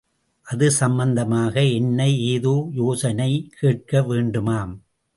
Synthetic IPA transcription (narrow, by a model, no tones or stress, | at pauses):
ʔɐðɯsɐmbɐnd̪ɐmaːɣɐɛnːɐɪeːðuːjoːsɐnɐɪkʰeːʈ̚kɐʋeːɳɖɯmaːm